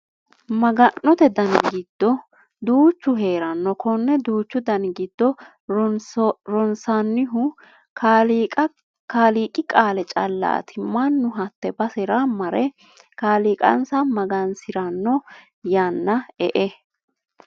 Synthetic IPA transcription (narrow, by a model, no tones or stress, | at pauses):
mɐɡɐnːɔt̪ɛd̪ɐnɡɪd̪̥ːɔ | d̪uːt͡ʃːʊɦe̞ːɾɐnːɔkʰɔnːɛd̪uːt͡ʃːʊd̪ɐnɡɪd̪̥ːɔ | ɾɔnsɐnːɪɦʊ | k | kaːliːkʼɪkʼaːlɛt͡ʃʼɐlːa̰ːt̪ʰɪmɐnːʊɦɐt̪ːɛbɐsɛɾamɐɾɛ | kaːliːkʼɐ̰nsɐmɐɡɐnsɪɾɐnːɔ | janːɐɛʔɛ